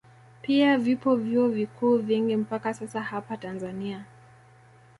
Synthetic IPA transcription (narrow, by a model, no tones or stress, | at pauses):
piavipɔvjuɔvikuːviŋɡim̩pakasasahapatanzania